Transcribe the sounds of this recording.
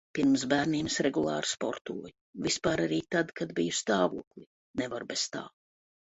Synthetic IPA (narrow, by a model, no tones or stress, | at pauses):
piɾmsbæːɾniːmsɾɛɡulˠɑ̰ːɾspɔ̰ɾt̪ṵɔj | vispaːɾaɾiːt̪ad̪kad̪bijust̪aːvuɔklʲˠi | nɛvaɾbɛst̪a̰ː